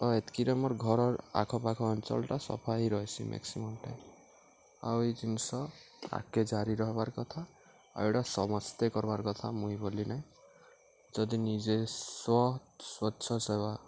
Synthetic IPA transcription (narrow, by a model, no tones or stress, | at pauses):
ɔet̪kiɾɔmɔɾɡʱɔɾɔɾa̰kʰɔpakʰɔːnt͡ʃɔ̰lɔʈasɔ̰pʰaɦiɾɔɦet͡ʃʰimʔḛksimɔmʈḛ | a̰wed͡ʒinsɔ | a̰ked͡ʒaɾiɾɔɦbaɾkɔt̪ʰa | ḛwʈasɔmɔst̪ekɔɾbaɾkɔt̪ʰamũibolinaĩ | d͡ʒɔd̪inid͡ʒeswɔswɔtːʃʰɔseba